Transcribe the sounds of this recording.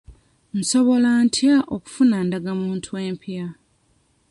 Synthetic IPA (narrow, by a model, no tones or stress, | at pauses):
n̩so̞βo̞lantʰjaʔoku̥funandaɡamuːntʰuwe̞ːmpʰja